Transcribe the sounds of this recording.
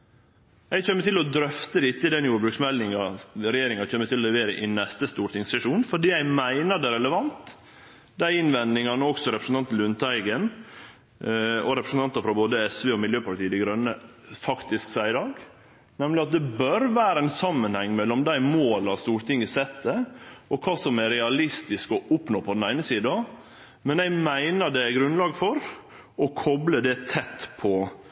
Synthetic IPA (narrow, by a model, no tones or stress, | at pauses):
jæɪçɛmːət̪ɪlɔd̪ɾœft̪əɾɪt̪ːəɪd̪ɛnjuːɾbɾʉksmɛlɪŋɑɾɛjeːɾɪŋɑc͡çɛmːət̪ɪlɔlɛʋeːɾəʔɪnɛst̪əst̪uːɾt̪ɪŋssɛʂuːnfɔɖiːæɪmæɪnəɖ̪ɛɾɛləʋɑnt̪ | d̪æɪɪnʋɛnd̪ɪŋɑnəɔksɔɾɛpɾəsn̩t̪ɑnt̪̩ʉnt̪ʰæɪɡən | ɔɾɛpɾəsn̩t̪ɑnt̪ɑfɾɑboːd̪əɛsʋeːɔmɪljøːpʰɑʈ̪iːəd̪ɪɡɾœnːə | fɑkt̪ɪsksæɪɪd̪ɑːɡ | nɛmlɪɑt̪̚d̪ɛbœɾʋæːɾəæɪnsɑmːənhɛŋːmɛlːɔmd̪æɪmoːlɑst̪uːɾʈ̪ɪŋːəsɛt̪ːəɔkʰɑːsɔmæɾɛɑlɪst̪ɪskɔʊpnoːpʰɔd̪n̩æɪnəsiːd̪ɑ | mɛnæɪmæɪnəɖɛæɡɾʉnlɑːɡfɔɾ | ɔkʰɔbləd̪ɛt̪ʰɛt̪ːpʰɔ